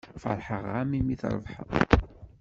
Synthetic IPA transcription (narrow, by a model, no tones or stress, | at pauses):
fə̰ɾˤħəʁːæmimiθɾˤə̰vħə̰ðˤ